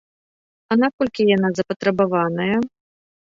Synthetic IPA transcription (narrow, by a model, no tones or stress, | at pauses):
ɐnakɔlʲkʲijan̪azɐpɐt̪ɾɐbavanɐjɐ